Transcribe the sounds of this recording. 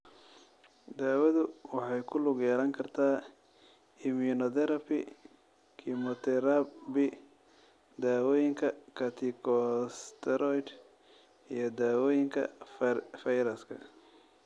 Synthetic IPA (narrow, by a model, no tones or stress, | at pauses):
d̪aːwɐðʊwɑħɑjkʰʊlʊɡjɛːlɐŋkʰɐrt̪ʰaː | ɪmʊnɔt̪ɛɾɐpɪ | kʰimɔt̪ʰɛɾabɪ | d̪aːwɔːjɪŋkʰɐkʰɐt̪ʰikʰɔst̪ʰɛɾɔjd̪ | ijɞd̪aːwɔːjɪŋkʰɐ̰ | fɐjɾɐskʰɐ̰